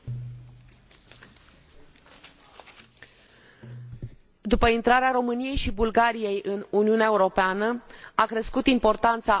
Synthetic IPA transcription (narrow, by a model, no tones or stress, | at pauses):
d̪upəint̪ɾaɾeaɾo̞mɨnije̞jʃibulɡaɾije̞jʔɨnuniuneaeuɾo̞peanəakɾeskut̪impo̞rt̪ant̪sa